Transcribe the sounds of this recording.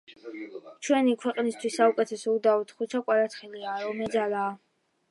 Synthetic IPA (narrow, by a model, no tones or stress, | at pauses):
t͡ʃʰwɛnikʰwɛqʼnist̪ʰwisːaukʼɛt̪ʰɛsɔud̪aut̪χut͡ʃʰakʼwaɾat̪ʰχɛliaːɾɔmɛd̪zalaː